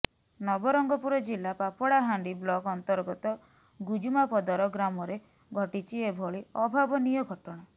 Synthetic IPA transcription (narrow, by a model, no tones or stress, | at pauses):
nɔbɔɾɔŋɡɔpuɾɔd͡ʒilapapɔɽaɦaɳɖiblɔkɔnt̪ɔɾɡɔt̪ɔ | ɡud͡ʒumapɔd̪ɔɾɔɡɾamɔɾe | ɡʱɔʈit͡ʃʰiebʱɔɭiɔbʱabɔnijɔɡʱɔʈɔɽ̃a